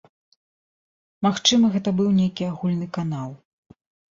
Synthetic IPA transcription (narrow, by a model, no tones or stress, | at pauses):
maxt͡ʂɨmɐɣɛt̪ɐbɨwnʲejkʲiaɣulʲnɨkanalˠ